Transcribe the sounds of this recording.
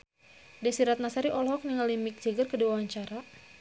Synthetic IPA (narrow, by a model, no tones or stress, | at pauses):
dɛsiɾat̪̚nasaɾiʔɔlɦɔk̚niŋalimik̚d͡ʒəɡərkəduawaɲt͡ʃaɾa